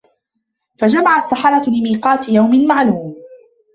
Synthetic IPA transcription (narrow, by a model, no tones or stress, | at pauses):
fad͡ʒamaʕasːaħɑɾˤɑlɪmiːqɑːt̪ɪjawmɪnmaʕluːm